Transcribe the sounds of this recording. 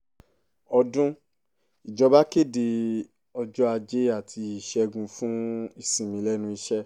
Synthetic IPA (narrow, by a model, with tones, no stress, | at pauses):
ɔ˧dũ˦ | i˨d͡ʒɔ˨˦ba˦ke˦˨de˧ | ɔ˧d͡ʒɔ˦a˧d͡ʒe˦a˦˨tʰi˧i˦˨ʃɛ˦ɡũ˧fũ˦i˧sĩ˨mĩ˨˧˦lɛ˦nũ˧i˧ʃɛ˦